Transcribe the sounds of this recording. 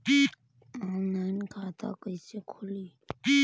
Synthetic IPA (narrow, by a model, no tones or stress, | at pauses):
i | ãmnankʰaːt̪ʰa̰ːkəisekʰʊliː | i